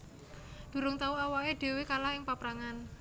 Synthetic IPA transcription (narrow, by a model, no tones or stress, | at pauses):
d̪̥ṳɾʊŋt̪auawaeɖ̪̥e̤wekalahɪŋpapɾaŋan